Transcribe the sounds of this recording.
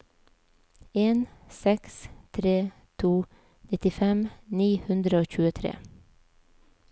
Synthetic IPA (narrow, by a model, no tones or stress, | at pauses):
eːnsɛkst̪ʰɾeː | t̪ʰuː | nɪt̪ɪfɛmniːhʉnd̪ɾəoːçʉːət̪ʰɾḛː